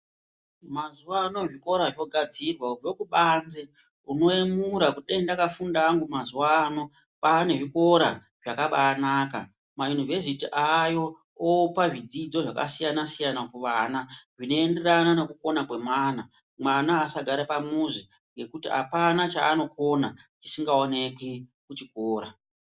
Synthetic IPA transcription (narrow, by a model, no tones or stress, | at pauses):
mazuʋano̞ʐiko̞ɾaʐo̞ɡʱad͡zirwauvo̞kuɓaːnze̞ | uno̞emuɾakuɗendakafundaːŋɡumazuwaːno̞ | pane̞ʐiko̞ɾa | ʐ̥akaɓaːnaːka̰ | maunuve̞s̬itiʔajo̞ | opaʐid͡zid͡zo̞ʐaka̰sijanasijanakuʋanaʐino̞ende̞ɾanane̞kuko̞nakwe̞mwaːna | mwanaːsaɡʱaɾapamuzi | ŋɡe̞kutia̰panat͡ʃa̰ːno̞kʰo̞nat͡ʃi̥siŋɡaone̞kikut͡ʃikoːɾa